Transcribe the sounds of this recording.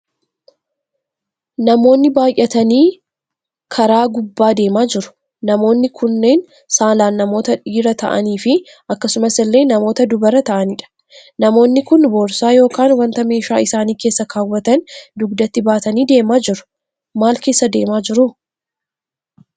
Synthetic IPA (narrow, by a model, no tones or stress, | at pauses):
nɐmo̞ːnːɪbaːjʔɛt̪ɐniː | kʰɐɾaːɡʊbːaːd̪e̞ːmaːd͡ʒɪɾʊ̥ | nɐmo̞ːnːɪkʰʊnːe̞ːn | saːlaːnːɐmo̞ːt̪ɐᶑiːɾɐt̪ɐ̰ʔɐ̰niːfɪ | ʔɐkːɐsʊmɐsɪlːe̞ːnɐmo̞ːt̪ɐd̪ʊbɐɾɐt̪ɐʔɐnɪᶑɐ̥ | nɐmo̞ːnːɪkʊnboːɾsaːjo̞ːkaːnwɐnt̪ɐme̞ːʃa̰ːɪsaːniːke̞ːsːɐkaːwːɐt̪ɐnd̪ʊɡd̪ɐt̪ːɪbaːt̪ɐniːd̪e̞ːmaːd͡ʒɪɾʊ̥ | maːlke̞ːsːɐd̪e̞ːmaːd͡ʒɪɾʊ